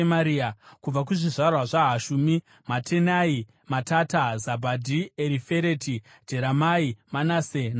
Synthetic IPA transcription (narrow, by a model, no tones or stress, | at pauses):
maɾiakub͡vak̬uʐiʐarwaʐaɦaʃumi | matʰenai | matatazabʱadʱieɾife̞ɾeti | d͡ʒe̞ɾamaimanasen